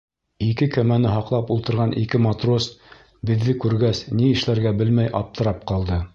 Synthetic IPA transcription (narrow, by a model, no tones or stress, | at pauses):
ikɘkæmænɘɦɑqlˠɑpulˠt̪ɤ̆ɾʁɑnʔḭkɘmɑt̪ros | bɘ̆ðːɘkʉɾɡæsniɘ̆ʃlæɾɡæbɘlmæjʔɑ̰p̚t̪ɤ̆ɾɑp̚qɑlˠd̪ɤ